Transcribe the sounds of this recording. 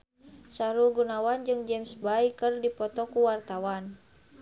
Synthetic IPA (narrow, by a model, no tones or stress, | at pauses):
saɾuɡunawand͡ʒɨŋd͡ʒɛmsbaikɨrdipɔt̪ɔkuwart̪awan